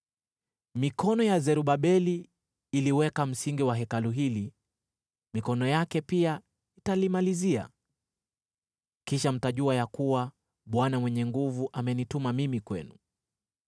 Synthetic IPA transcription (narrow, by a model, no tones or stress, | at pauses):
mikɔnɔjazɛɾuɓaɓɛliː | liwɛkam̩siŋɡiwaɦɛkaluɦili | mikɔnɔjakɛpia | italimalizia̰ | kiʃam̩taʄuajakuwa | ɓwanamwɛɲɛŋɡuvuʔamɛnitumamimikwɛ̰nu